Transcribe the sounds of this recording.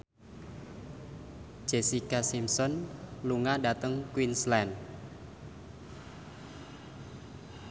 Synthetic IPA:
d͡ʒ̥esikasimsɔnluŋadat̪əŋkwinslɛn

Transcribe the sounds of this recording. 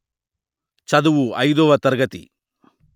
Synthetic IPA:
t͡ʃɐd̪uʋuɐjd̪ɔːʋɐt̪ɐɾɡɐt̪ḭ

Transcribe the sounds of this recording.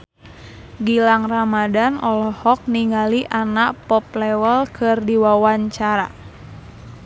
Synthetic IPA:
ɡilaŋramadanɔlɔhɔk̚niŋɡaliʔanaʔpɔp̚lɛwəlkʰɨrdiwawaɲt͡ʃaɾa̰

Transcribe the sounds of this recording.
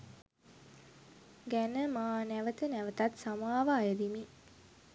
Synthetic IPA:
ɡænəmaːnæʋət̪ənæʋət̪at̪samaːʋəajəd̪imi

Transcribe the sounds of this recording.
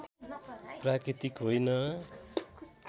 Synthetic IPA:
prakɾit̪ikɦojnʌ

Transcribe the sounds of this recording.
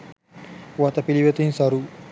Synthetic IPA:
ʋat̪apiliʋet̪insaɾu

